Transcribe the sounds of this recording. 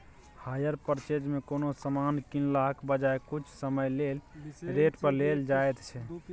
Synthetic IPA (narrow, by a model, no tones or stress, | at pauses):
hajəɾpəɾt͡ʃed͡ʒmekonosəmankinlakbəd͡ʒaekut͡ʃʰsəməjlelɾeʈpəɾleld͡ʒaet̪t͡ʃʰɛ